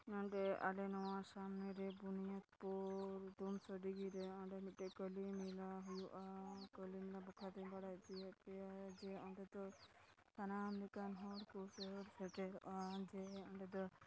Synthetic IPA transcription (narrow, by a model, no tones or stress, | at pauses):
nɔɳɖɛʔa̰lɛnɔwasamnɛɾɛbunijat̪pɔɾd̪umsɔɖiɡiɾɛɔɳɖɛnit̪̚ʈɛkəlimilaɦujuʔakəlimilabɔkʰad̪ɔjbaɽajt̪ijɛt̪ɛad͡ʒɛɔɳɖɛd̪ɔ | sʰanamlikanɦɔɽkusɔɾsɛʈɛɾʔad͡ʒɛɔɳɖɛd̪ɔ